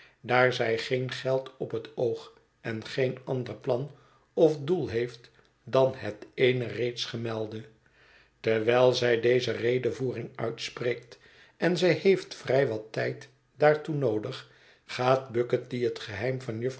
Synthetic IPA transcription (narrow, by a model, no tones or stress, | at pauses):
daːɹzɛjχeɪnχɛlˠtɔpətowχ | ɛnχejnɑndərplɑn | ɔfdulˠɦejft | dɑnɦətejnərejtsχəmɛlˠdə | tɛɹʋɛlˠzɛjdejzərejdəvuːrɪŋœ̰ɥtspreːkt | ɛnzɛjhejftfrɛjʋɑtɛjt | daːɹtunowdəχ | χaːt̚bɵkət̚diɦətχəɦɛjmvɑnjəf